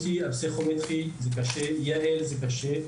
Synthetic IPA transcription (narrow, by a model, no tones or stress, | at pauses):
t̪iapsiχomet̪χizɛkaʃɛjaɛlzɛk̬aʃe